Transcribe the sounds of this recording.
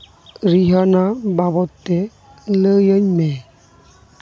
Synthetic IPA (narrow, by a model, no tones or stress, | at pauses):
ɾiɦənababɔt̪ːe | ləjəɲmɛ